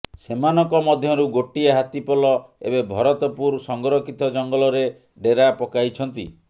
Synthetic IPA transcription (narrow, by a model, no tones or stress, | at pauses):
semanɔŋkɔmɔd̪ʱjɔɾuɡoʈieɦat̪ipɔlɔḛbebʱɔɾɔt̪ɔpuɾsɔŋɡɔɾɔkit̪ɔd͡ʒɔŋɡɔlɔɾe | ɖeɾapɔkajt͡ʃʰɔn̪t̪ḭ